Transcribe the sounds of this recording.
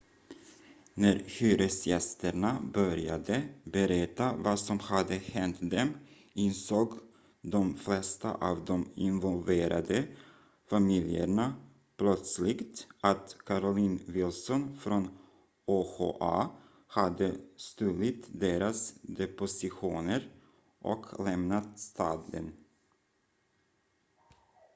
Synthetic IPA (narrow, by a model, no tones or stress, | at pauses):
næɾçyːɾəsjɛst̪əɳabœɾja̰d̪əbəɾɛt̪ːavasɔmhad̪əhɛnt̪d̪ɛm | ɪnsoːɡ | d̪ɔmflɛst̪a̰ʔɑːvd̪ɔmɪnvɔlveːɾʔa̰d̪ə | famɪljə̰ɳa | pʰlœt̪slɪɡt̪ʔat̪kʰaɾʊliːnvɪlsɔnfɾɔn | oho̰ʔa | had̪əst̪ʉlɪt̪d̪eːɾasd̪ɛpʊsɪɧuːnəɾ | ʔɔ̰kʰlɛmnat̪st̪ʰɑːd̪ə̰n